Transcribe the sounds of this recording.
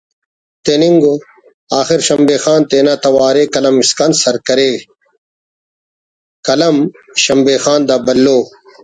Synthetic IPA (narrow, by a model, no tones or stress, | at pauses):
t̪eniŋɡo | aːxiɾɕɐmbeːxaːnt̪eːnaːt̪ɐwaːɾeːkɐlɐmiskɐnsɐɾkɐɾeː | kɐlɐm | ɕɐmbeːxaːnd̪aːbɐlːoː